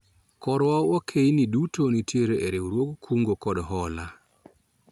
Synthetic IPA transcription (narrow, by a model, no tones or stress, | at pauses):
kɔɾwaokʰejnidutonitjeɾeeɾeuɾwoɡkʰuŋɡokɔdɦɔla